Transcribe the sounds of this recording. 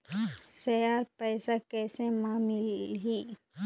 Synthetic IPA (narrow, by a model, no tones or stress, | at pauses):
sɛjaːɾpɛːsakɛːsemaːmɪlɦiː